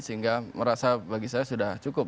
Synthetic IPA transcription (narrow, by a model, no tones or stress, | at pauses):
səɦiŋɡaməɾasabaɡisajasudaht͡ʃukʊp̚